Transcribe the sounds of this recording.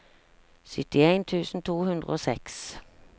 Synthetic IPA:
sʏt̪ɪeɪnt̪ʰʉːsn̩t̪ʰuːhʉnd̪ʁəoːsɛks

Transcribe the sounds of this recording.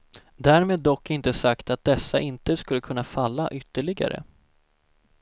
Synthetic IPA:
d̪æːɾmeːd̪ːɔkːɪnt̪əsakt̪at̪̚d̪ɛsːaʔɪnt̪əskɵlːəkʰɵnːafalːaʔʏt̪ːəɭɪɡa̰ɾə̰

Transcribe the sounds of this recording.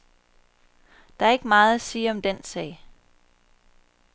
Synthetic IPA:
d̥ɑ̈æɐe̝ɡ̥əmɑ̈ːð̩ˠæsiːɐɒ̽md̥ensɛ̰ɪ̰

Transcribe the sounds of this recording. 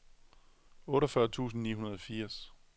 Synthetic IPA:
ɔ̽ːɾɐfɶɐt͡sʰṵːsn̩nḭːɦunɐðˠɒ̽fiɐ̰s

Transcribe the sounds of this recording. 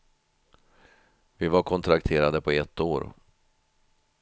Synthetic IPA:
vɪvaɾkʰɔnt̪ʰɾakt̪ʰeːɾad̪əpʰɔɛt̪ːoːɾ

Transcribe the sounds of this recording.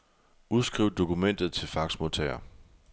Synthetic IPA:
uðˠsɡ̥ʁiʊd̥o̝kʰumen̰d̥ð̩ˠt͡sʰe̝lfɑ̈ɡ̥smot͡sʰɛ̰ɐ̰

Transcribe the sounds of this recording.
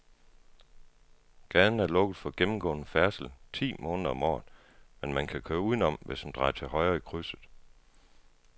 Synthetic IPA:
ɡ̥æðn̩æɐlɔ̽ɡ̥əð̩ˠfɒ̽ɡ̥emm̩ɡ̥ɔ̰̽ːnəfæɐsl̩t͡sʰḭːmɔ̽ːnðˠɐɒ̽mɒ̰ːðˠ | menmænkʰækʰøːɐuð̰ˠnɒ̽mʋeshænd̥ʁɑ̈ɪɐt͡sʰe̝lɦɒ̽ɪɐikʰʁysðˠ

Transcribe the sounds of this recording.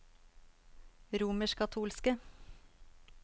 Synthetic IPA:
ɾuːməʃkʰɑt̪ʰuːlskə

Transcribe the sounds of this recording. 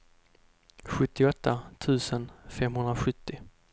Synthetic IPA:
ɧɵt̪ːɪɔt̪ʰːat̪ʰʉ̟ːsənfɛmɦɵnd̪ɾaɧɵt̪ːɪ

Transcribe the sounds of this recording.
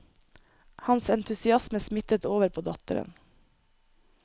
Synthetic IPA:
hɑnsɛnt̪ʰʉsɪɑsməsmɪt̪ət̪oːʋəɾpʰoːd̪ɑt̪ə̰ɾə̰n

